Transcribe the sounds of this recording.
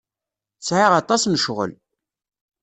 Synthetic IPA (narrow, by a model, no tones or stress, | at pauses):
t͡sʕiʁɑt̪ˤɑsməʃʁə̰l